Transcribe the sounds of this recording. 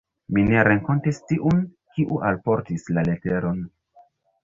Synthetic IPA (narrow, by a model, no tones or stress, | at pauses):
mineɾe̞ŋko̞ntistiʔun | kiʔuʔalpo̞ɾtislale̞te̞ɾo̞n